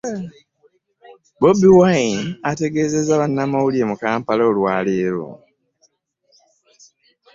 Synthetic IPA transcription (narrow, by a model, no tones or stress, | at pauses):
bobiwainate̞ɡe̞ːze̞zaβanːamawuliemukaːmpaloːlwaːleːɾo̰